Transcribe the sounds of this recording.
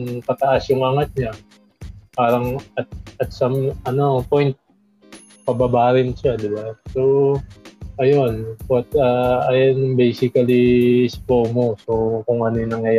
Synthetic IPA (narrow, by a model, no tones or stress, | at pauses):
ŋkɐt̪ɐʔasjʊŋʔɐŋat̪̚ɲa | paːɾɐŋɐt̪̚ɐt̪̚samɐno̞pojnt̪̚ | pɐbabaːɾɪnʃad̪ɪbaso | ʔɐjonpɐt̪aɐjonjʊŋbɛjsɪkɐliɪspomoso̞kʊŋʔɐnojnɐŋjɐj